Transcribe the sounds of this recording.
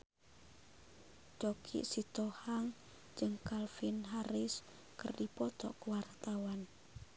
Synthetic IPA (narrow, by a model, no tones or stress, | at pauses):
d͡ʒɔkʰḭʔsit̪ɔhaŋ | d͡ʒɨŋkalfinɦaɾɪs | kərdipɔt̪ɔʔkəwart̪awan